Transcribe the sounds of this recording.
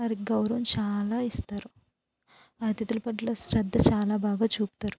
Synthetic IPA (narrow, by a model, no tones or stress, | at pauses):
ɐɾiɡɐwɾɐʋɐmt͡ʃaːlaːist̪aːɾu | aːd̪jɐt̪ulɐpɐʈloːsɾɐd̪ʱːɐt͡ʃaːlaːbaːɡaːt͡ʃuːpu̥t̪aːɾu